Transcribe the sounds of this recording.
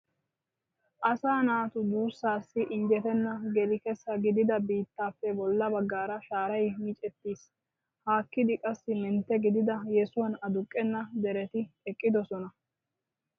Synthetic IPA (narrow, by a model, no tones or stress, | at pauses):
ʔɐsaːnaːt̪ʊd̪uːsːaːsːɪʔɪɲd͡ʒɛt̪ɛnːɐɡɛlɪkɛsːɐɡɪd̪ɪd̪ɐbiːt̪ːaːfːɛbɔlːɐbɐɡːaːɾɐʃaːɾɐjmit͡ʃʼɛt̪ːiːs | haːkːɪd̪ɪkʼɐsːɪmɛnt̪ːɛɡɪd̪ɪd̪ɐjɛsʊwɐnɐd̪ʊkʼːɛnːɐd̪ɛɾɛt̪ɪɛkʼːɪd̪ɔsɔnɐ